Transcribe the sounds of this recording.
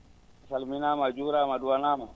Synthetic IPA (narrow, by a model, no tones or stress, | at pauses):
asalminamad͡ʒuɾamaduwanama